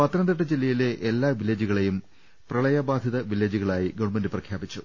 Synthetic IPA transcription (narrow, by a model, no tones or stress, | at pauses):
pɐt̪ɾɐnd̪ɐʈ̬ːɐd͡ʑelːɐjileʔelːaːʋilːɐd͡ʑuɣɐɭejum | prɐɭɐjɐbaːd̪ʱiðɐʋilːɐd͡ʑuɣɐɭaːjiɡɐʋɳmendɨprɐkʰjaːbit͡ɕːu